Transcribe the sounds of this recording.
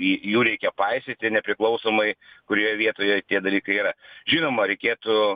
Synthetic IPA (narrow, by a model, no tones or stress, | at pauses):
ijuːɾʲɛɪkʲɛpɐɪsʲet̪ʲɪnʲɛpʲɾʲɪklˠɒʊsoːmɐɪkʊɾʲoːjoʋʲiɛt̪oːjojt̪ʲiɛd̪ɐlʲiːkɐɪiɾɐʒʲiːnoːmɐɾʲɛɪkʲeːt̪ʊ